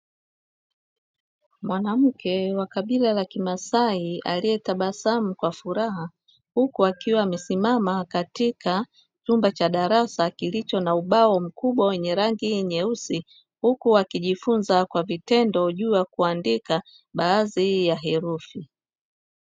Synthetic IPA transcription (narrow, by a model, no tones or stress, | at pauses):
mwanam̩kɛwakaɓilalakimasaia̰liɛtaɓasam̩kwafuɾaha | hukuakiwaːmɛsimamakatika | t͡ʃumbat͡ʃaɗaɾasakilit͡ʃɔnauɓaɔm̩kuɓwawɛɲɛɾaŋɡiɲɛusi | hukuakiʄifunzakwavitɛndɔʄuːjakuandika | ɓaːzijaɦɛɾufi